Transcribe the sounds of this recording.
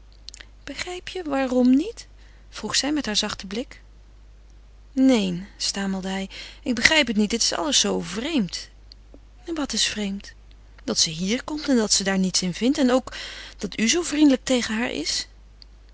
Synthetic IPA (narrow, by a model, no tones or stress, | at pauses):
b̥əχrɛjpjəʋaːrɔmnit | fruχsɛjmɛtɦaːɹzɑχtəblɪk | nejnstaːməlˠdəɦɛjɪɡ̚bəχrɛjpətnit̚dɪtɪ̥sɑ̰lˠəsːowvrejmt | ʋɑtɪsfrejmt | d̥ɑtsəɦiːɹkɔmtɛndɑtsədaːɹnitsɪnvɪntɛnowkd̥ɑtʰyzowvrindələk̚tejχəɦaːɹʔɪ̰s